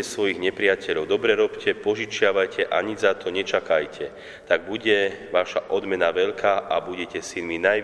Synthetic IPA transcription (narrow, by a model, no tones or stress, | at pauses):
ɛsʋɔjiɣɲɛpɾɪacɛʎɔʊd̪ɔbɾɛɾɔpcʰɛpɔʒit͡ʃɪaʋajcʰɛʔaɲizat̪ʰɔɲɛt͡ʃakajcʰɛ | t̪aɡ̚buɟɛʋaʃaʔɔd̪mɛnaʋɛʎkʰaːʔabuɟɛcɛsinminaj